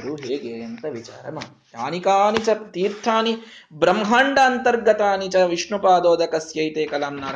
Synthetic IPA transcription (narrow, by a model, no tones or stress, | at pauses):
ɾuɦeːɡeːjɐnt̪ɐʋit͡ʃa̰ːɾɐmɐː | jaːnikaːnit͡ʃɐt̪iːɾt̪ʰaːni | bɾɐmɦaːɳɖaːnt̪ɐɾɡɐt̪aːnit͡ʃɐʋiʂɳupaːd̪oːd̪ɐkɐsjɐjt̪eːkɐlaːmnaːɾ